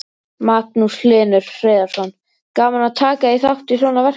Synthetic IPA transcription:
maːt̪nuslɪːnʏɾ̥fɾeːjðaɾ̥sɔn | kaːmanat̪ʰaːkaiθawht̪isɔːnavɛr̥

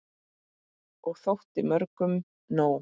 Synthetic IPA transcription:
ɔɣθowht̪ɪmœɾkʏm | naːw

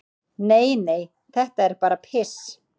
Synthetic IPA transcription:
neːjneːj | θɛht̪aɛɾpaːɾapʰɪs

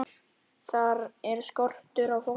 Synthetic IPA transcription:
θaɾɛɾskɔr̥t̪ʏɾawfo

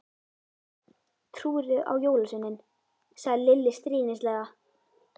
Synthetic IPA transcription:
t̪ʰɾuːɾʏʔa̰wjoːwlasʏnːɪn | saɣðɪlɪlːɪst̪ɾiːnɪslɛːɣa

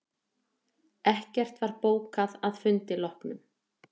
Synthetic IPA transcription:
ɛhcɛr̥t̪vaɾpoːwkaðaðfʏnt̪ɪlɔhknʏm

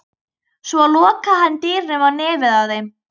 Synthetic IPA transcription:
svɔlɔːkaɦanːt̪iːɾnɛvanɛːvɪðawθejm

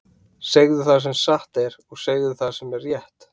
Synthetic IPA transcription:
seɣðʏθas̬ɛmsaht̪ɛɾɔɣseːɣðʏθasɛmɛrːjɛht̪

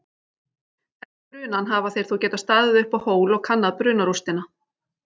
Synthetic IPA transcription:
ɛpɾʏːnanɦavaθejɾ̥θucɛːt̪ast̪aːðɪðʏhpahoːwlɔɣkʰanːaðpɾʏːnaɾust̪ɪna

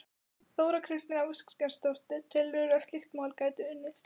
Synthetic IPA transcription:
θoːwɾakʰɾɪst̪nɪnauskscɛnst̪or̥t̪ʏt̪ʰɪlvɪɾœft̪lixt̪mawlkaːjt̪ʏʏnːɪs

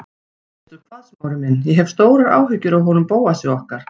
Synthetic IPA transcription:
ɛɛt̪ʏɾ̥p̪ʰaðsmaːwɾɪmɪnːjɛɦɛv̥st̪oːwɾaɾa̰ːwɦʏcːʏɾawɦɔnʏmpoːwasjaɔhkaɾ̥

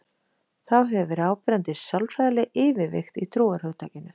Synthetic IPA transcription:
θawɦɛvʏɾaːwpɾɛnt̪ɪssawlfɾajðalɪʔɪːvɪvɪ̰xt̪it̪ʰɾuːaɾ̥hœɣt̪ʰaːcɪnːʏ

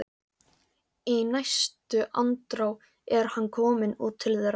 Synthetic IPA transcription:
inajst̪ʏʔa̰nt̪ɾaw | ɛɾ̥hanːkʰɔːmɪnṵːt̪ʰːɪlðeɾ

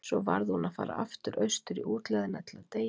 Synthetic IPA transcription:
sɔva̰ɾðɪhunaðfaːɾa̰aft̪ʏɾʔœɥst̪ʏɾiʔuːt̪lɛðɪnat̪ʰɪlaðt̪eːj

